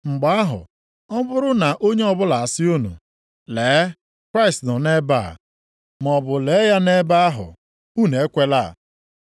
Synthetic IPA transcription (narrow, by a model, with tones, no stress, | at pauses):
ŋ͡m̩˨ɡ͡ba˨˦a˦ɦʊ̰˨ | ɔ˦bʊ˦ɾʊ˦na˨ʔo˦ɲe˦ɔ˦bʊ˦la˨a˨sɪ˦o˦nṵ˨ | le˨˦ | kɾa˦ɪ˨stnɔ˨ne˦ba̰˦˨ | m˨ɔ˨bʊ˨le˨˦ja˦ne˦ba˦a˦ɦʊ̰˨ | u˦˨ne˨e˦kʷe˦la̰˦˨